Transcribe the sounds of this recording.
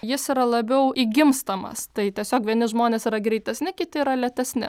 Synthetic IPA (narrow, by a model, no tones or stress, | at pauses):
jɪsiɾɐlˠɐbʲɛʊʔiːɡʲɪmst̪ɐmɐ̰st̪ɐɪtʲiɛsʲoːkʋʲiɛnʲɪʒmoːnʲeːsiːɾɐɡɾʲɛɪt̪ʲɛsʲnʲɪkʲɪt̪ʲɪiːɾɐlʲɛt̪ʲɛsʲnʲɪ̰